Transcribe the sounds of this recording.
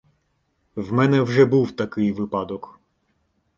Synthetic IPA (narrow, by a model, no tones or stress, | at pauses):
wmɛnɛwʐɛbuwt̪akɪjʋɪpɑd̪ɔk